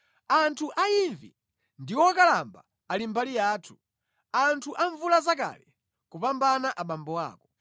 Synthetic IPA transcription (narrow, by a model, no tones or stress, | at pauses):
antʰuʔaiɱvḭ | ndiwɔkalambaː | limbalijaːtʰu̥ | antʰuʔaɱvulazaka̰lɛ | kupambanaʔaɓambɔwa̰ːkɔ